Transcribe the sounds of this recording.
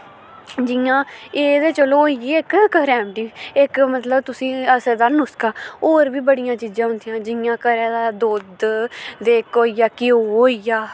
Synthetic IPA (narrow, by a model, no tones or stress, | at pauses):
d͡ʒɪjãːeːd̪eːt͡ʃəloːijiːɪkkəɾɛːmʈiːɪkmət̪ləbt̪ʊsĩːəsəɾd̪aːnʊskaːoːɾʋiːbəɽɪjãːt͡ʃiːd͡ʒãːɦʊnd̪ɪjãːd͡ʒɪjãːkəɾɛːd̪aːd̪oːd̪d̪eːkoːijaːkɪoːoːijaː